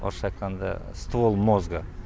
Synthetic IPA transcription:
o̰ɾʃɑjt̪qɑnd̪ɑ̰st̪volˠmozɡə

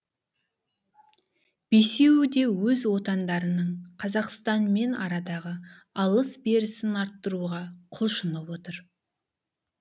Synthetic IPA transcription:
b̥ese̞wɪd̪e̞wɵzwo̞t̪ɑnd̪ɑɾənəɴqʰɑzɑqst̪ɑnme̞nɑ̰ɾɑd̪ɑʁə | ɑlˠəsbe̞ɾɪsɪnɑɾt̪ːəɾuʁɑqʰʊlˠʃənəpwo̞t̪əɾ

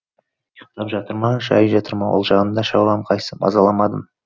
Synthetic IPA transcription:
jəqt̪ɑpʒɑt̪əɾmɑʒɑ̰jəʒɑt̪əɾmɑwolˠʒɑʁənd̪ɑʃɑwʁɑmqʰɑj̪səbɑ̰zɑlˠɑmɑd̪əm

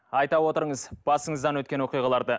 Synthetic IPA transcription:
ɑjt̪ɑwo̞t̪əɾəɴəzb̥ɑsəɴəzd̪ɑnwɵt̪̚kʲenwo̞qijʁɑlˠɑɾd̪ə

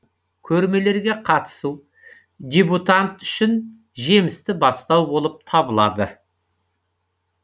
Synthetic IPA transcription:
kʲʰɵɾme̞le̞ɾɡʲe̞qʰɑt̪ə̥su | d̪ʲebut̪ant̪ʏ̥ʃɪn | ʒe̞mɪst̪ɪbɑst̪ɑwbo̞lˠəp̚t̪ʰɑbəlˠɑ̰d̪ə

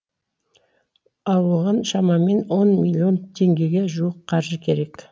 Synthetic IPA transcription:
ɑwəʁənʃɑmɑme̞nwo̞nmʲilʲio̞nt̪ʰe̞ŋɡʲe̞ɡʲe̞ʒuwəqqʰɑɾʒəkʲʰe̞ɾe̞k

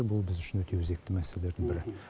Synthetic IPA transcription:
ebʊlˠbɪzʏʃɪnwɵt̪ʰe̞wʏze̞kt̪ɪmæseleleɾd̪ɪŋbɪɾɪ

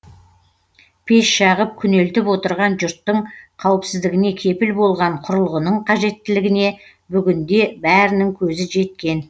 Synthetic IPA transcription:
pʰe̞sʃɑʁəp̚kʲʰʏne̞lt̪ɪpwo̞t̪əɾʁɑnʒʊɾt̪ːəɴqʰɑwɪpsɪzd̪ɪɡʲɪne̞kʲʰe̞pɪlbo̞lˠʁɑɴqʰʊɾəlˠʁənəɴqʰɑʒe̞t̪ːɪlɪɡʲɪne̞ | bʏɡʲɪnd̪e̞bæɾɪnɪŋkʲʰɵzɪʒe̞t̪̚kʲe̞n

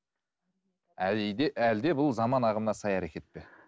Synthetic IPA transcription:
æjd̪eæld̪e̞bʊlˠzɑmɑnɑʁəmnɑsɑjæɾekʲe̞t̪̚pe

